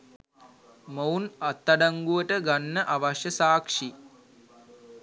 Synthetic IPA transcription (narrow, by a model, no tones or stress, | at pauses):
mowunat̪ːaɖaŋɡuʋəʈəɡanːəʔaʋaʃjəsaːkʂi